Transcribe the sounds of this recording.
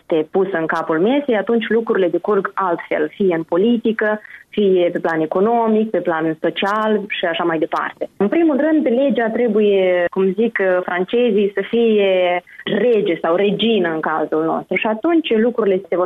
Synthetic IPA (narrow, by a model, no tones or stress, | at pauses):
st̪e̞pusəɨŋkapulme̞sejat̪unt͡ʃʲlukɾuɾile̞d̪e̞kurɡalt̪fe̞̰lfijeɨnpo̞lit̪ikəfijepe̞plane̞ko̞no̞mik̚pe̞planso̞t͡ʃialʃiaʃamajd̪epa̰rt̪e̞ɨnpɾimulrɨnd̪le̞d͡ʒat̪ɾe̞buje̞kumzikfɾant͡ʃe̞zijsəfijered͡ʒesawre̞d͡ʒinəɨŋkazulno̰st̪ɾuʃiat̪unt͡ʃʲlukɾuɾile̞sevo